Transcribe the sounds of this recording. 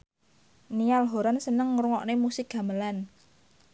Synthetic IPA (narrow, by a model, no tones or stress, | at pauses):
nialɦoɾansənəŋɾuŋɔʔnemusɪk̚ɡ̥a̤məlan